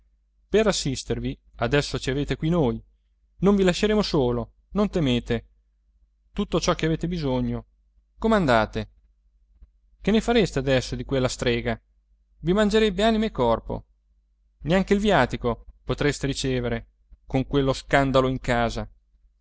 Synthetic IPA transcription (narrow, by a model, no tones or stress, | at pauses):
perasːist̪erviad̪ɛsːot͡ʃiaveːt̪ekwinoj | noɱvilaʃːeɾeːmosoːlo | nont̪emeːt̪e | t̪ut̪ːot͡ʃɔk̟ːeaveːt̪ebizoɲːo | komand̪aːt̪e | k̟enːefaɾest̪ead̪ɛsːod̪ikwelːast̪ɾɛːɡa | vimand͡ʒeɾɛbːeaːnimekːɔrpo̰ | neaŋkeilvjaːt̪ikopot̪ɾest̪eɾit͡ʃeːveɾe | koŋkwelːoskand̪aloiŋkaːza